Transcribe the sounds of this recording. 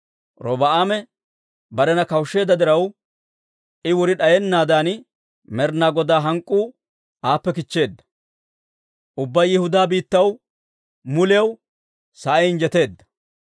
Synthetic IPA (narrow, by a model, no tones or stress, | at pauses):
ɾɔbɐʔaːmɛ | bɐɾɛnɐkɐwʃːe̞ːd̪ːɐd̪ɪɾɐw | ʔɪwɔɾɪɗɐjɛnːaːd̪aːn | mɛɾnaːɡɔd̪aːɦɐŋkʼːuː | ʔaːpːɛkɪt͡ʃːe̞ːd̪ːɐ̥ | ʔʊbːɐjːɪhʊd̪aːbiːt̪ːɐw | mʊlɐw | sɐʔɐjɪnd͡ʒɛt̪e̞ːd̪ːɐ̥